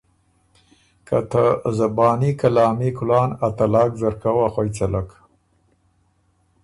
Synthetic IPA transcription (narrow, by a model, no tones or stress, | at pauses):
ka̰t̪azabɑːnikalɑːmikʊlɑːnat̪alɑːkzaɾkawaxojt͡salak